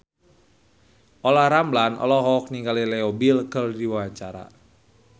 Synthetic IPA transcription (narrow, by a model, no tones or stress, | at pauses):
ʔolahɾamblanɔ̰lɔɦɔk̚niŋɡalilɛobilkərdiwawaɲt͡ʃaɾa̰